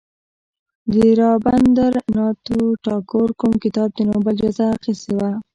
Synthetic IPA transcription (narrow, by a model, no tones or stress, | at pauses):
d̪əɾɑband̪aɾnɑt̪oʈɑkoɾkumkɪt̪ɑb̚d̪ənobəld͡ʒazaqisewa